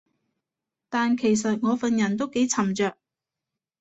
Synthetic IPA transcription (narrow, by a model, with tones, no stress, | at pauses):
t̪aː˨nkʰe˨˩js̬ɐ˨t̚ŋɔː˨˧fɐ˨njɐ˨˩nt̪̬o˥wke˨˥jt͡sʰɐ˨˩mt͡ʃœː˨k̚